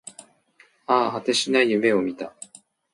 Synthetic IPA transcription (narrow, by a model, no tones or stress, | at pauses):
aːhat̪e̞ɕinaijɯ̟me̞o̞mʲit̪a